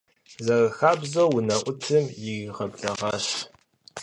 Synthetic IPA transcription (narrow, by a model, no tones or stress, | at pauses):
zɐrxaːbzɐwʊnɐʔʷʊtʰɨmjɪɣʁɐbɮɐʁɑːɕ